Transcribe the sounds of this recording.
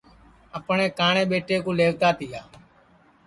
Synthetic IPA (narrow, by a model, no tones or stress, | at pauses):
əpɳẽːkaːɳeːɓeːʈeːkõːleːʋt̪aːt̪ɪjaː